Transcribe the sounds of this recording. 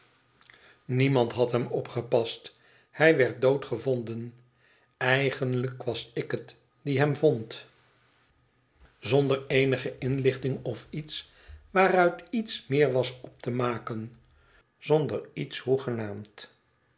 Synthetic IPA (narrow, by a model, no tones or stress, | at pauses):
nimɑntɦɑtɦɛmɔpχəpɑst | hɛjʋɛɹt̚dowtχəvɔndən | ɛjχənləkʋɑsɪkət | diɦɛmvɔnt | zɔndəɹejnəχəʔɪnlɪχtɪŋɔfits | ʋaːrœɥtitsmɪːɹʋɑsɔp̚təmaːkən | z̥ɔndəɹitshuχənaːmt